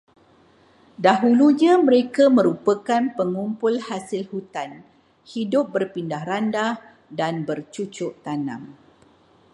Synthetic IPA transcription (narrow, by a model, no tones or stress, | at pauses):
daɦuluɲãmə̃ɾekamə̃ɾupakanpəŋumpʊlhasɪlhut̪an | hidʊp̚bərpindahɾandah | danbərt͡ʃut͡ʃʊʔt̪anã̰m